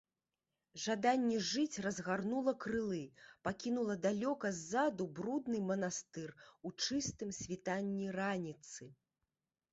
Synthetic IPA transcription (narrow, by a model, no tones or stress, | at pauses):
ʐad̪anʲːɛʐɨt͡sʲrɐzɣarnulˠɐkɾɨlˠɨpakʲinulˠɐd̪alʲɔkɐzʲːad̪ubɾud̪nɨmɐnast̪ɨrut͡ʂɨst̪ɨmsʲvʲit̪anʲːiranʲit̪sɨ